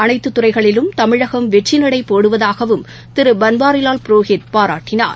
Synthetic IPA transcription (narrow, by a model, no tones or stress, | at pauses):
ɐnɐɪt̪ːɯt̪ːʊrɐɪɣɐɭɪlɯmt̪ɐmɪɻɐɣɐmʋɛʈt͡ʃːɪnɐɽɐɪpːoːɽɯʋɐðaːɣɐʋɯm | t̪ɪɾɯbɐnbaːɾɪlaːlpɪɾoːɣɪt̪̚paːɾa̰ːʈːɪna̰ːɾ